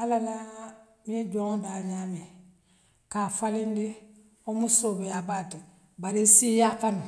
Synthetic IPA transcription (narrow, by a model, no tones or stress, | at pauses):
alala | med͡ʒɔŋbaɲaːme | kaːfalĩndi | omusobejabatɛ | baɾisijafanu